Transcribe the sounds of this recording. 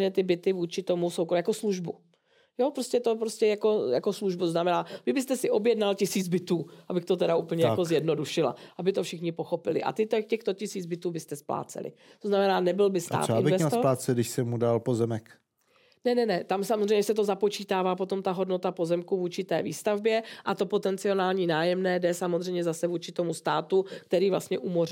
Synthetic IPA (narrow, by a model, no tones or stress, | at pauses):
ɲɛt̪ɪbɪt̪ɪvuːt͡ʃɪt̪o̞musowkjako̞sluʒbu | jopɾoscɛt̪o̞pɾoscɛjako̞ja̰ko̞sluʒbut̪oznamɛnaːvɪbɪst̪ɛsɪʔo̞bjɛdnalcɪsiːd͡zbɪt̪uːʔabɪxt̪o̞t̪ɛɾaʔuːpl̩ɲɛjako̞zjɛdno̞duʃɪla̰ʔabɪt̪o̞fʃɪxɲɪpoxo̞pɪlɪ̰ʔa̰t̪ɪt̪ɛcɛxt̪ocɪsiːd͡zbɪt̪uːbɪst̪ɛspla̰ːt͡sɛ̰lɪ̰t̪oznamɛnaːnɛbɪlbɪst̪a̰ːtɪnɪvɛst̪oplaːt͡sɛdɪʃsɛmudalpozɛmɛk | nɛnɛnɛt̪amsamozrɛjɲɛs̬ɛt̪̬o̞zapo̞t͡ʃiːt̪aːvaːpo̞t̪o̞mt̪aɦo̞dno̞t̪apo̞zɛmkuvuːt͡ʃɪt̪ɛ̰ːviːst̪avbjɛʔat̪o̞po̞t̪ɛnt͡sɪo̞naːlɲiːnaːjɛmnɛːdɛsamozrɛjmɲɛzasɛvuːt͡ʃɪt̪o̞must̪aːt̪uk̚t̪ɛɾiːvla̰st̪ɲɛʔumor